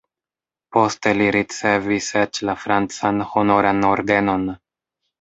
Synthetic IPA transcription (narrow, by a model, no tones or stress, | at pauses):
po̞ste̞liɾit͡se̞viset͡ʃlafɾant͡sanho̞no̞ɾanoɾde̞no̞n